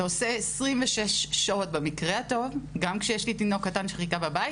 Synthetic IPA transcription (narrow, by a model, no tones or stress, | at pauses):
oseːsʁimveʃeʃʃao̞t̚bemikʁehato̞vɡamkʃejeʃlitino̞kːatanʃeχitababaji